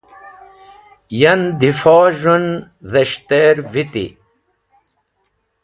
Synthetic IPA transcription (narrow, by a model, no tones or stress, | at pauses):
jɐnd̪ifɔːʒun | zɐɕt̪eːɾvit̪ḭ